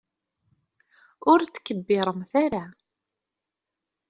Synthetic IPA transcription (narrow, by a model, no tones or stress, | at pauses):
ʊɾt͡sːkːəbːɪɾˤəmθaɾa